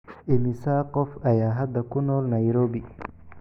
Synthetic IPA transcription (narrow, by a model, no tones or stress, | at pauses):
ʔɪmɪsaːqɔfʔɐjaːɦɐd̪ɐkʰʊnɔːlnɐjɾɔːbɪ